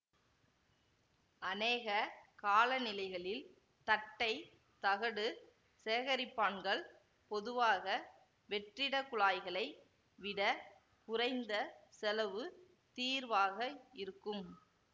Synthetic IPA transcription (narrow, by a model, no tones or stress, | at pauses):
ɐneːɣɐkaːlɐnɪlɐɪɣɐɭɪl | t̪ɐʈːɐɪ | t̪ɐɣɐɽɯ | seːɣɐɾɪpːaːɳɡɐɭ | pɔðɯʋaːɣɐ | ʋɛʈrɪɽɐkʊɭaːjɣɐɭɐɪ | ʋɪɽɐ | kʊrɐɪnd̪ɐsɛlɐʋɯ | t̪iːɾʋaːɣɐɪɾɯkːɯm